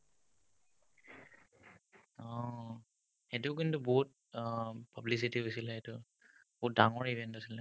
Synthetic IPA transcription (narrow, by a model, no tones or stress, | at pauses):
ɔ̃ | xɛtʊk̬intuboɦut̚ | pablis̬itiɦojsilɛɛtʊ | boɦut̚daŋɔɹibʱɛntasilɛ